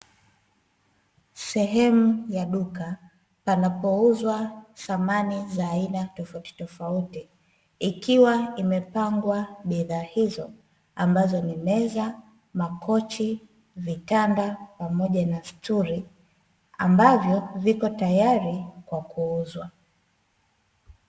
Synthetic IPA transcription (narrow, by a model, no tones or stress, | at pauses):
sɛɦɛmujaɗuka | panapɔuzwaθamanizaːinatɔfauti̥tɔfautiː | kiwaimɛpaŋɡwaɓiðaːhizɔ | ambazɔnimɛza | makɔt͡ʃi | vitandapamɔʄanastuɾi | a̰mbavjɔvikɔtajaɾikwakuuzwa